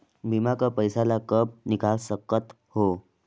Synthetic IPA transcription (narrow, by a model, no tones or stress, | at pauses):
bʱimakəpəjsalakəp̚nikalsəkət̪ | ho